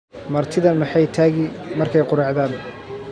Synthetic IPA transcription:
mɐrt̪ʰɪðɐmɑħɑjt̪ʰaːɣɪmɐrkʰɛjqʊɾɑʕðaːn

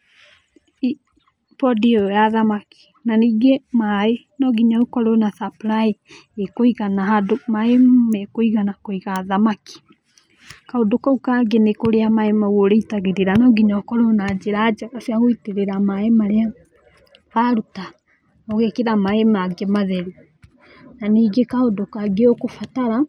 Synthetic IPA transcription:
pɔdiɔjaðamaki̥ | naniɡemae | nɔɡiɲaokɔɾonaθapɾaeekoiɣanaɦadomaemmekoiɣanakoiɣaðamaki̥ | kaodokaukaɡenekoɾeamaemaɣoɾeitaɣeɾeɾanɔɡiɲaokɔɾonad͡ʒeɾad͡ʒakasiaɣoiteɾeɾamaemaɾea | βaɾuta | oɣekeɾamaemaɡemaðɛɾi | naniːɡekaodokaɡeokofataɾa

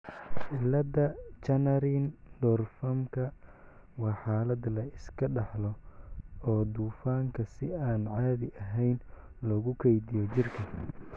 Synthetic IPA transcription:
ħɪlːɐd̪ɐt͡ʃɐnɐɾind̪ɔrfɐmkʰɐ | wɑːħɑːlɐd̪lɐɪskʰɐɖɑħlɔ | ɔːd̪uːfaːŋkʰɐsɪaːnʕɑːðɪʔɐɦɛjn | lɔːɣʊkʰɛjd̪ɪjɔt͡ʃɪrkʰɐ

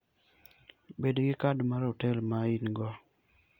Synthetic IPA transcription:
bedɡɪkadmaɾotɛlmainɡɔ

